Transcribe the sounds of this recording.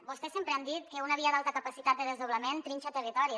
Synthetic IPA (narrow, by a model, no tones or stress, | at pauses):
bust̪ɛsempɾeɛmd̪it̪̚kəunəβiəd̪alˠt̪əkəpəsit̪at̪̚d̪əðəzðoβləment̪ɾinʲt͡ʃət̪ərit̪ɔɾiə